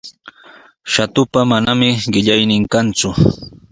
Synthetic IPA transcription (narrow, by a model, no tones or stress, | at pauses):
ʃat̪ʊpamanamɪɢɪʎajnɪŋkant͡sʊ